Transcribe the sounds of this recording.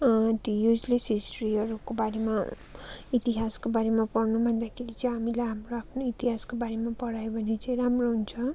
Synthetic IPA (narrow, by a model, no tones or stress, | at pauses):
t̪jojud͡zlesisʈriʌɾukobaɾema | it̪iɦaskobaɾemapʌrnubʱʌnd̪akʰeɾit͡sʌ̃ɦamilajɦamroapʰnoit̪iɦaskobaɾemapʌɽajobʱʌnet͡sʌ̃j̃ɾamroɦunt͡sʰʌ